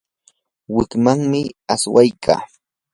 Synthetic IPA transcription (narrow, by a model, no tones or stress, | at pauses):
wɪkmaŋmɪaswajkʰa̰ː